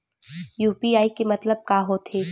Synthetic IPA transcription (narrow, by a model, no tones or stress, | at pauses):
juːpiaːikemɐt̪ləb̚kaːɦot̪ʰeː